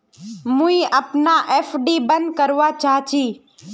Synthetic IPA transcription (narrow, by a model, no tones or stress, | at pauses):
mũĩʔəpnaʔeːfʰɖiːbənd̪̚kəɾʋat͡ʃaːɦt͡ʃʰiː